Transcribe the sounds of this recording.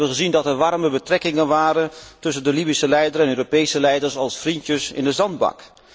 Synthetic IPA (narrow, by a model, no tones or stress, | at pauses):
bəχəzindɑtɛɹʋɑrməbətrɛkɪŋənʋaːɾəntɵs̬əndəlibisəlɛjdəɾɛnøːropejsəlɛjdəɹsɑlˠsfrintjəsɪ̰ndəzɑnd̚bɑ̰k